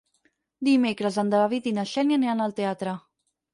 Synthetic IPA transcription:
d̪imekɾəzand̪əlaβit̪inaʃɛnjaneanəlˠt̪eat̪ɾə

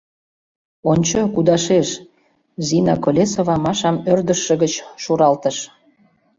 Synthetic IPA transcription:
onʲt͡ɕokud̪ɑʃeʃ | zinɑkolʲesovɑmɑʃɑmørd̪əʃːə̆ɣət͡ɕʃuɾɑlt̪əʃ

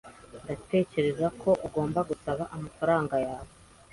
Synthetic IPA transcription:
ndate̞ːce̞ɾe̞zakʰo̞ʔuɡo̞ːmbaɡusaβaʔamafaɾaːŋɡajaːβo

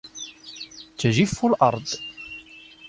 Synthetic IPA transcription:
t͡sːʒifːulʔɑ̰ɾˤd̪ˤ

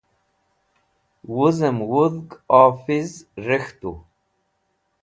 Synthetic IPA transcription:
wuzəmwuðɡaːfizrəxt̪u

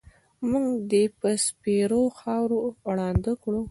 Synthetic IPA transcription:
muŋɡd̪epəspeɾoxɑwɾoɽɑnd̪əkɽu

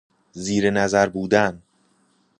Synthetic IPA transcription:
ziːɾenæzæɾbuːd̪æn

